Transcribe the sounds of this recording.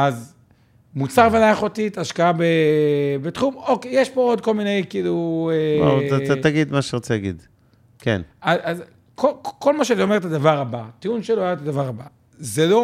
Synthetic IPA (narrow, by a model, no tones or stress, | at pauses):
az | mut͡saʁvelajaχot̪it̪aʃkaabebet̪χumokejeʃpo̞od̪ko̞lminejkiiːluea̰at̪aɡid̪maʃeʁot͡selaɡḭd̪ | kḛnazaz | kʰoko̞lmaʃeatio̞me̞ʁet̪ad̪avaʁabat̪iunʃeloajat̪ad̪avaʁaba | zelo